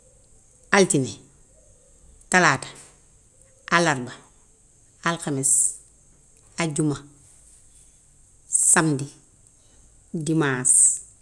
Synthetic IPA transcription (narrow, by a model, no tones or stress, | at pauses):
altine | talaːtḁ | ʔalaɾba | alkames | aɟuma | samdi | dimaːs